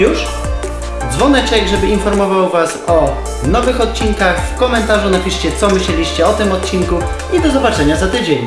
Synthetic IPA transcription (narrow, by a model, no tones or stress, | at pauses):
juʂ | d̪zvɔnɛt͡ʂɛɡʐɛbɘinfɔɾmɔvawvasɔ | nɔvɘxɔt̪̚t͡ɕinkaxfkɔmɛnt̪aʐunapʲiʂt͡ɕɛt̪sɔmɘɕlɛlʲiɕt͡ɕɛɔt̪ɘmɔt̪t͡ɕinku | id̪ɔzɔbat͡ʂɛɲazat̪ɘd͡ʑeɲ